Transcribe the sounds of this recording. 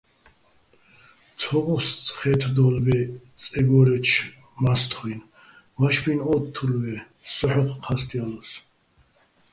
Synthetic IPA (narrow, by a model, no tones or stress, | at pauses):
t͡sʰɔʁɔst͡sʼχɛt̪ʰd̪ɔlvɛt͡sʼɛɡɔɾɛt͡ʃʰ | mast̪ʰχwin | vaʃbinɔt̪ʰːuɾvɛ | sɔħɔχʰqʰast̪ʼialɔs